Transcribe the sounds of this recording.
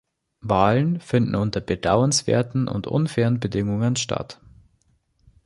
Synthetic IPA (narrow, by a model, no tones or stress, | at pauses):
vaːlənfɪndn̩ʊntɐbədaʊənsv̥ḛːɐtn̩ʔʊ̰ntʔʊ̰nfɛːʁənbədɪŋʊŋənʃta̰t